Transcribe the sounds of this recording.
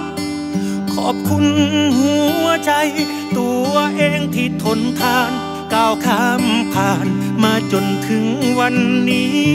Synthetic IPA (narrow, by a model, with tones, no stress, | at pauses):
kʰɔ̰ː˩p̚kʰu˧˥nhu˨˩˦ɐt͡ɕa˧j | t̪u˧˩ɐʔeː˧ŋt̪ʰiː˧˩t̪ʰo˨˦nt̪ʰaː˧˩n | kaː˧˩wkʰaː˧˥mpʰaː˧˩nmaː˧t͡ɕo˧nt̪ʰɯ˨˦ŋwa˧nːiː˦˥